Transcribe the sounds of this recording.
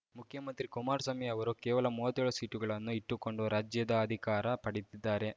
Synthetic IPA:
mukʰjɐmɐnt̪ɾikumaːɾsɐmɛɐʋɐɾukɛːʋɐlɐmuːɐt̪ːɛɭɐsiːʈuɡɐɭɐnːuiʈːuko̞ɳɖuɾaːd͡ʒjɐd̪ɐːd̪ʱikaːɾɐpɐɽit̪id̪ːaːɾe̞

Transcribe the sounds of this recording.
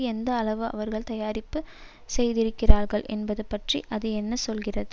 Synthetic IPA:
ɛnd̪ɐːɭɐʋɯɐ̰ʋɐɾɣɐɭt̪ɐjaːɾɪpːɯ | sɛjðɪɾɯkːɪraːɾɣɐɭʔɛ̰nbɐðɯpːɐʈriʔɐðɯɛnːɐsɔlɣɪrɐðɯ

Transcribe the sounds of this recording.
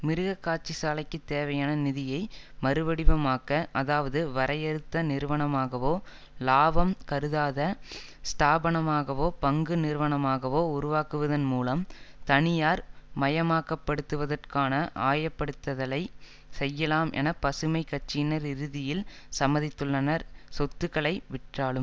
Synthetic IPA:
mɪɾɯɣɐkːaːʈ̚t͡ʃisaːlɐɪkːɯt̪ːeːʋɐjaːnɐnɪðɪjɐɪ | mɐɾɯʋɐɽɪʋɐmaːkɐʔɐðaːʋɐðɯʋɐɾɐjɐɾɯt̪ːɐnɪɾɯʋɐɳɐmaːɣɐʋoː | laːʋɐmkɐɾɯðaːðɐ | st̪aːbɐɳɐmaːɣɐʋoːpɐŋɡɯnɪɾʋɐɳɐmaːɣɐʋoːʊɾʊʋaːkɯʋɐðɐnmuːlɐmt̪ɐɳɪjaːɾmɐjɐmaːkɐpːɐɽɯt̪ːɯʋɐðɐrkaːnɐʔaːjɐpːɐɽɯt̪ːɐðɐlɐɪ | sɛjːɐlaːmʔɛ̰nɐpɐsɯmɐɪkːɐʈ̚t͡ʃːɪnɐɾɪɾɯðɪjɪlsɐmɐðɪt̪ːɯɭːɐnɐɾsɔt̪ːɯɣɐɭɐɪʋɪʈraːɭɯm

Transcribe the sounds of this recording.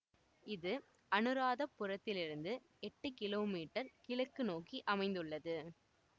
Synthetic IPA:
ɪðɯ | ɐnɯɾaːðɐpːʊrɐt̪ːɪlɪɾɯnd̪ɯ | ɛʈːɯkɪloːmiːʈːɐɾkɪɭɐkːɯnoːkiʔɐmɐɪnd̪ɯɭːɐðɯ

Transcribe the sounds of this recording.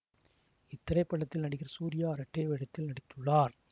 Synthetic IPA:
ɪt̪ːɐɽɐɪpːɐɭːɐt̪ːɪlnɐɽɪkːɪɾɐsuːɾɪjaːɐɾɐʈːeːʋɛɽɐt̪ːɪlnɐɽɪt̪ːɯɭːaːɾ

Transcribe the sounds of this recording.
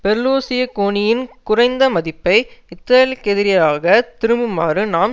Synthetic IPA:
pɛɾɯloːsɪjɐkoːnɪjɪnkʊrɐɪnd̪ɐmɐðɪpːɐɪɪt̪ːɐlkɛðɪɾɪjɐɾaːɣɐt̪ɪɾɯmbɯmaːrɯnaːm

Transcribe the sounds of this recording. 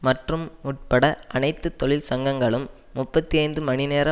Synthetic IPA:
mɐʈrɯmːʊʈ̚pɐɽɐʔɐnɐɪt̪ːɯt̪ːɔɭɪlsɐŋɡɐŋɡɐɭɯmː | ʊpːɐt̪ːiɐɪnd̪ɯmɐnɪneːɾɐ

